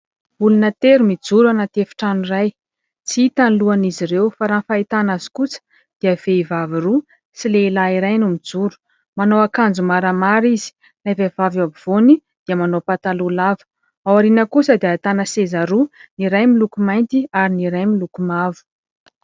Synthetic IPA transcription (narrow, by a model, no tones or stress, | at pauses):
b̥ulunət̪eɾumid͡zuɾanat̪efi̥ʈ͡ʂaniraj | t͡siit̪anluaniziɾewfaɾanfait̪anazi̥kut͡sə̥ | d̪̥iav̥eivaviru | silelaiɾajnumid͡zuɾu̥ | manowakand͡zumaɾamaɾizi̥ | navevavabiv̥oni | d̪̥iəmanopat̪alulavə̥ | awaɾinəkusəd̪iat̪anəsezaɾuniɾajmilukumajnt̪iaɾiniɾajmilukumavu̥